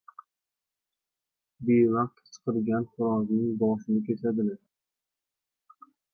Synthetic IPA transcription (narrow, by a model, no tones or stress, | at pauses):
bevɑq̚t̪t͡ʃʰɨ̥qɨɾɡʲanχʊɾɒznɪŋbɒʃɪnɪkʲʰet͡ʃʰad̪ɪlɪ